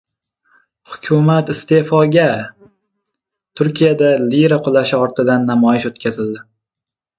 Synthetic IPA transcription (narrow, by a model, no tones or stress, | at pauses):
hʊkʲʰʊmat̪ɪst̪e̞fɒɡʲa | t̪ʰʊɾkʲʰijad̪aliɾaqʰʊlˠaʃɪɒɾt̪ɪd̪anːamɒjɪʃot̪̚kʲʰazɪld̪ɪ